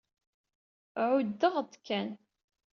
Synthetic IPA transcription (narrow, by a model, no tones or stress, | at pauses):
ʕʊd̪ːəʁd̪ˤkʰːæn